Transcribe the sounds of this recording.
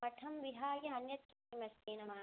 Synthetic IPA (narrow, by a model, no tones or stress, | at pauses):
ɐʈʰɐmʋiɦaːɡɐɐnjɐt̪kuimɐst̪iːnɐma